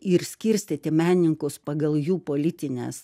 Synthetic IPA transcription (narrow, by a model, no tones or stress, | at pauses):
ɪɾsʲkʲɪɾʲsʲt̪ʲit̪ʲɪmʲæːnʲɪŋkʊspɐɡɐlˠjuːpoːlʲɪt̪ʲɪnʲɛ̰ːs